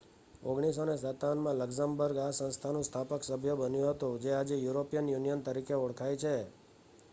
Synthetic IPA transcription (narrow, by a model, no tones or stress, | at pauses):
oɡɽ̃isonesat̪anmãləɡsambəɾɡasə̃nst̪ʰanũst̪ʰapəksəbʱjəbənjũɦət̪ũd͡ʒead͡ʒejuɾopijənjunijənt̪əɾikeoɽkʰajt͡ʃʰe